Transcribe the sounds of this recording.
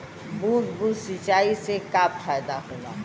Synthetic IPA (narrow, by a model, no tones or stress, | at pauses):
buːt̪buːt̪sɪt͡ʃaːisekaːpfaːjd̪aɦoːna̰ːɦ